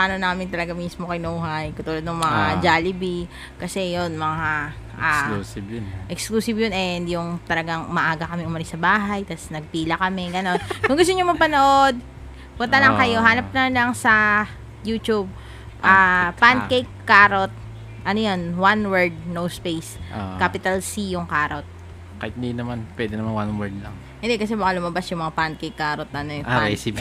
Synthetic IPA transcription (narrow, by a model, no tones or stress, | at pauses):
paːnonaːmɪnt̪ɐlɐɡaŋmiːsmokɐjnɐʔuːɦajkɐt̪uːlɐd̪nʊŋmɐŋad͡ʒaːlɪbi | kɐsɛjonmɐŋa | ʔausʔɛkskluːsɪbjonɛɪnd̪jʊŋt̪ɐlɐɡaŋmɐʔaːɡɐkɐmɛʔʊmɐlɪsɐbaːɦɐjt̪asnɐɡ̚piːlɐkɐmɛɡɐno̞nkʊŋɡʊst̪oɲomɐɡpɐnoʔo̞d̪̚ | pʊnt̪ɐlɐŋkɐjo̞ɦaːlɐp̚nɐmnlɐŋsɐ | jut̪ub̚ | ʔaːpand̪kejkːaːɾot̪̚ | ʔɐnojonwanwɛɹd̪̚nowspejskapɪt̪ɐlsijʊŋkaːɾot̪̚ | kɐt̪̚nd̪inɐmanpwɛːd̪ɛnɐmanwanwɛɹd̪̚lɐŋ | hɪnd̪ɛkɐs̬ɛbɐkalʊmɐbasjʊŋmɐŋapand̪̚kejkːaːɾot̪̚ɐnojɾɛ̰sɪp